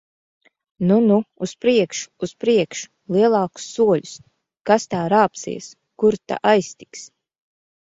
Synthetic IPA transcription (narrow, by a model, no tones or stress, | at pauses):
nunuːspɾiɛkʃu̥ːspɾiɛkʃu̥lˠiɛlˠɑːku̥sːuɔlʲus | kast̪aːɾaːpsḭɛs | kuɾt̪a̰ʔajst̪i̥ks